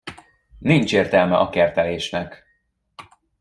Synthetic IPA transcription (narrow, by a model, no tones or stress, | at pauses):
nint͡ʃeːrt̪ɛlmɛʔɒkɛrt̪ɛleːʃnɛk